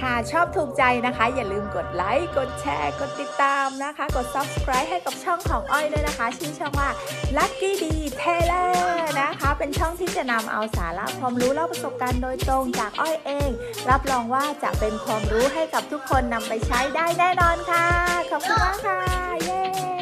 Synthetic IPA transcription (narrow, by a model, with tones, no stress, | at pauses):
kʰa˥˩t͡ɕʰɔː˥˩p̚t̪ʰuː˨˩k̚t͡ɕa˧jna˦˥kʰa˦˥jaː˨˩lɯː˧mko˨˩t̪̚la˦˥jko˨˩t̪̚t͡ɕʰɛ̰ː˧ko˨˩t̪ːi˨˩t̪ːaː˧mna˦˥kʰa˦˥ko˨˩t̪̚sa˦˥p̚skʰɾaː˦˥jɦa˥˩jka˨˩p̚t͡ɕʰɔ˥˩ŋkʰɔː˩˦ŋʔɔ˥˩jlɤː˥˩˨jna˦˥kʰa˦˥t͡ɕʰiː˦˥˩t͡ɕʰɔ˥˩ŋwaː˥˩ | la˦˥k̚kiː˥˩diː˧p̪ʰeː˧lɤː˧˩na˦˥kʰa˦˥pe˧nt͡ɕʰɔ˥˩ŋt̪ʰiː˥˩t͡ɕa˨˩na˧mʔa̰˧wsaː˩˦nlɛ̰˦˥kʰwaː˧mɾuː˦˥la˧˥˩wpɾa˧so˨˩p̚kaː˧ndoː˧jt̪ɾo˧ŋt͡ɕaː˨˩k̚ʔɔ˥˩jʔeː˧ŋ | ɾa˦˥p̚ɾɔː˧ŋwaː˥˩t͡ɕa̰˨˩ʔpe˧nkʰwaː˧mɾuː˦˥ɦa˥˩jka˨˩p̚t̪ʰu˦˥kʰːo˧nːa˧mpa˧jt͡ɕʰa˦˥jdaː˥˩jnɛː˥˩nɔː˧nkʰa˥˩kʰɔ˨˩p̚kʰu˧nbaː˥˩kʰa˥˩jeː˥